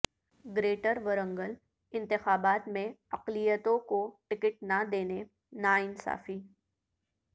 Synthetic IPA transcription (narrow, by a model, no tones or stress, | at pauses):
ɡɾeːʈəɾʋəɾə̃ŋɡəl | ɪ̃nt̪ɪxaːbaːt̪mẽɐqlijət̪õkoʈɪkɪʈ̚nad̪eːne | naːɪnsa̰ːfiː